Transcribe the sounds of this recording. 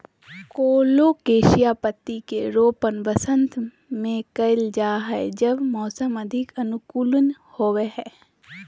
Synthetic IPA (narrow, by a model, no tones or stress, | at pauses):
koːlokeːʃijapət̪ːikeɾoːpənʋəsə̃nt̪ | mẽkɐɪld͡ʒaːɦɛd͡ʒəbmɔːsəmɐd̪ʱɪkɐnʊkuːlən | hoːweɦɛ̃ː